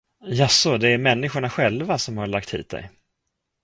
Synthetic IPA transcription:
jasɔd̪ɛæɾmɛnːɪɧʊɳaɧɛlvasɔmhaɭak̚t̪hḭːt̪̚d̪ɛ̰j

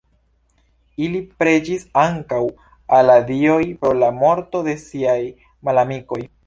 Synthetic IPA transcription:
ilipɾe̞d͡ʒisaŋkaw | aladio̞jpɾo̞lamo̞ɾto̞de̞siaj | malamiko̞j

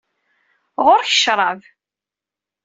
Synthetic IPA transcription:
ʁʊɾçə̥ʃɾˤɑv

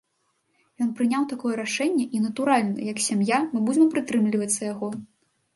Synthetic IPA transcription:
jɔnpɾɨnʲawt̪akɔjɛɾaʂɛnʲːɛʔinɐt̪uɾalʲnɐjɐksʲamjamɨbud͡zʲɪmpɾɨt̪ɾɨmlʲivɐt̪sːɐjaɣɔ

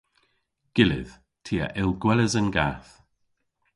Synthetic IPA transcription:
ɡ̥ɪlɪ̰ð̥ | tʰiːə̰ʔɪlˠɡwɛləzənɡaθ

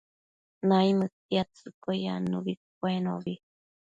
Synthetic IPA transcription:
naimət̪iat͡sɨkoja̰nuβik̚ʷeno̰βi

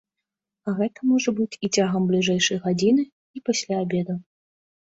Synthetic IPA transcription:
aɣɛt̪ɐmɔʐɐbɨt͡sʲit͡sʲaɣɐmblʲiʐɛjʂɐjɣad͡zʲinɨ | ipasʲlʲaːbʲɛd̪u

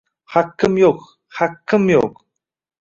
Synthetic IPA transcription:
hakːəmjok | hakːəmjok

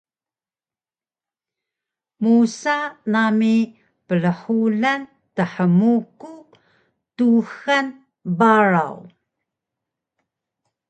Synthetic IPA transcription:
musanami | pələħuɮan | təħəmuku | tuxan | baɹa̰w

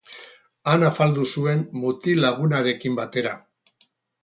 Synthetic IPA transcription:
anafald̪usue̞nmut̪ilaɣ̞unaɾe̞kimbat̪e̞ɾa

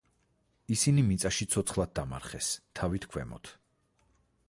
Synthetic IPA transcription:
isinimit̪sʼaʃit̪sʰɔt̪sʰχlˠad̪̚d̪ama̰ɾχɛst̪ʰavit̪ʰkʰwɛ̰mɔ̰t̪ʰ

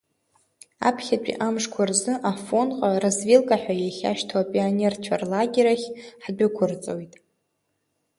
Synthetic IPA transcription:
a̰pʰχʲat͡pᶣʼḭʔamʂkʷʰarzɨʔafo̞nqʼarazvilkʼaħᶣʷajaχʲa̰ʃtʰapʼionert͡ɕʷʰarlaɡʲeɾaχʲħd͡ʒʷᶣakʷʰʊrt͡sʼo̰wjtʼ

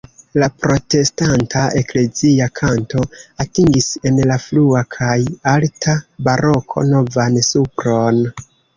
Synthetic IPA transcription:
lapɾo̞te̞stantʰaʔekle̞ziakʰanto̞atiŋɡise̞nlafluakʰajaltʰabaɾo̞kʰo̞̰no̞vansupɾo̞n

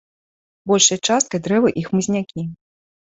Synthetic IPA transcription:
bɔlʲʂɐjɐt͡ʂast̪̚kɐjd̪ɾɛvɨʔixmɨzʲnʲakʲi

